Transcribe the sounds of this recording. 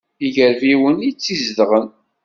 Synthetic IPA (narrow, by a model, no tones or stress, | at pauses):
iʝəɾviwənit͡sːizðʁən